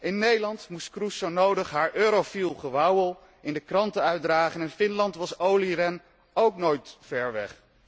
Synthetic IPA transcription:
ɪnːejdəlɑntmustkrusonowdəχɦaːɹʔøːɾowfilˠχəʋɑwəlˠ | ɪndəkrɑntəœɥdraːχənɪnfɪnlɑntʋɑsowlirɛn | owknojtfɛɹʋɛ̰χ

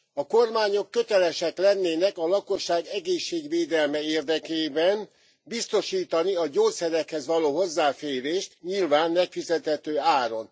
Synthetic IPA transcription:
ɒko̞rmaːɲo̞kːø̞t̪ɛlɛʃɛklɛnːeːnɛkɒlɒko̞ʃːaːɡɛɡeːʃːeːɡʋeːd̪ɛlmɛeːrd̪ɛkeːbɛn | bist̪o̞ʃiːt̪ɒniɒɟoːt̪sɛɾɛkhɛzʋɒloːɦo̞zːaːfeːɾeːʃt̪ɲilvaːnmɛkfizɛt̪hɛt̪øːaːɾo̞n

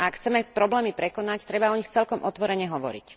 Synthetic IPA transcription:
aakxʰt͡sɛmɛpɾɔblɛːmipɾɛkɔnact̪ɾɛbaɔɲixt͡sɛlkɔmʔɔt̪ʋɔɾɛɲɛɦɔʋɔ̰ɾḭc

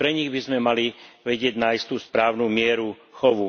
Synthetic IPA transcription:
pɾɛɲiɣbizmɛmaliʋɛɟɪɛɟnaist̪uːspɾaːʊnuːmɪɛɾu | xɔʋu

